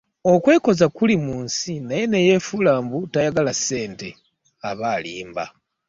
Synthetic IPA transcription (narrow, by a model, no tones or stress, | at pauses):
o̞kwe̞ːko̞zakulimuːnsinaje̞ne̞je̞fulaːmbutajaɡalase̞ːnte̞ | aβaːlḭːmba̰